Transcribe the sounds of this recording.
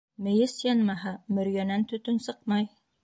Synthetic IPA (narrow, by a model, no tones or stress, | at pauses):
mɘ̆jɘsjɑnmɑɦɑmɵ̆ɾjænænt̪ɵ̆t̪ɵnsɤqmɑj